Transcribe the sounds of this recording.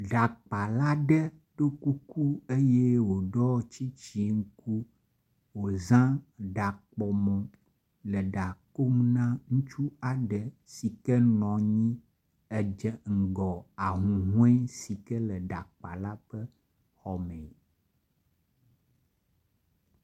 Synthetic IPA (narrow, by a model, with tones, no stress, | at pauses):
ɖa˨k͡pa˨la˦ɖɛ˦ | ɖo˦ku˦ku˦e˦jɛ˦wo˨ɖɔ˦t͡ʃi˦t͡ʃi˨ŋ̩˦ku˦ | wo˨zã˦ɖa˨k͡pɔ˨mɔ̃˨ | lə˨ɖa˨ko˦mnã˦ŋũ˦t͡ʃu˦a˨ɖə˨ | si˨kɛ˦nɔ̃˨ɲĩ˦ | ɛ˨d͡ʒɛ˨ŋ̩˨ɡɔ˨a˨ɦũ˨ɦũ˦ɛ˦si˨kɛ˦lə˨ɖa˨k͡pa˨la˦ɸə˦ | xɔ˨mɛ̃˨